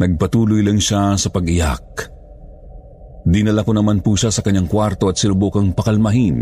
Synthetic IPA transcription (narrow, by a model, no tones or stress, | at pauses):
nɐɡ̚pɐt̪uːlojlɐŋʃasɐpɐɡɪja̰k̚ | d̪ɪnɐlɐkonɐmanpuʃasɐkɐɲːaŋkwaɾt̪o̞ʔɐt̪̚sɪnʊbokɐŋpɐkɐlmɐɦin